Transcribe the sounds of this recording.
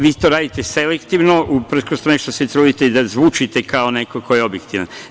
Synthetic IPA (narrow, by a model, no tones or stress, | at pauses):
ʋiːt̪oːɾaːd̪it̪eselekt̪iʋnoʔupr̩skost̪uneʃt̪oset̪ɾuːd̪it̪eid̪azʋuːt͡ʃit̪ekaonekokojeo̞bjekt̪iʋa̰n